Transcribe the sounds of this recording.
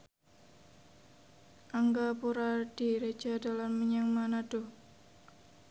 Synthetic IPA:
ʔaŋɡapuɾad̥iɾe̥d͡ʒada̤lamːəɲaŋmanad̥o

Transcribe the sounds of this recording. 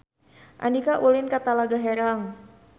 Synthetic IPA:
ʔa̰ndikaʔulɪnkat̪alaɡaɦɛɾaŋ

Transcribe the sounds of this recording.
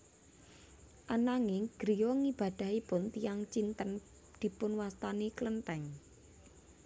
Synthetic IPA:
ʔanaŋɪŋɡ̥ɾijɔŋib̥ä̤d̪̥ä̤ɦipʊnt̪ijaŋt͡ʃint̪ən | d̪̥i̤pʊnwast̪aneklənt̪ɛŋ

